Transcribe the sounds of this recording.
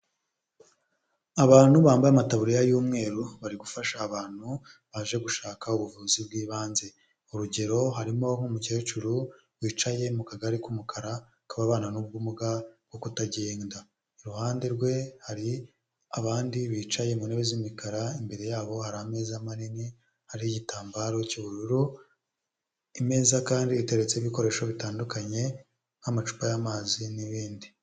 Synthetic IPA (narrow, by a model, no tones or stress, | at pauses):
aβaːn̥huβaːmbajamataβuɾijajuːmŋe̞ːɾuβaɾiɡufaʃaːβaːn̥hu | βaʒe̞ɡuʃaːkauβuvuzibɡiːβaːnze̞ | uɾuɟe̞ɾo̞ɦaɾimo̞ŋ̥umuceet͡ʃuɾu | wiːt͡ʃaje̞mukaɡaɾikumukʰaɾa | kuβaβaːnanub̚ɡumuɡabɡ̥o̞kutaɟeːnda | iɾuhaːnde̞ɾɡwe̞haɾi | aβaːndiβiːt͡ʃaje̞muneβezimikaɾaimbe̞ɾejaːβo̞haɾahame̞ːzamanini | haɾiiɟitaːmbaɾo̞ciβuɾuɾu | ime̞ːzakaːndiβite̞ɾe̞t͡se̞iβiko̞ɾe̞ːʃo̞βitaːndukaɲe̞ | hamat͡ʃu̥pajamaːziniβiːndi